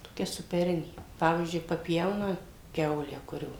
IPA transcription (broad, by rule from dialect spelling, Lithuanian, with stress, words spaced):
toːˈkʲɛ sʊpʲɛˈrʲɪnʲeː ˈpɑːʋʲiːzʲd͡ʒʲʊɪ pɐˈpʲjɛʊnɐ ˈkʲɛʊlʲæː ˈkʊrʲoː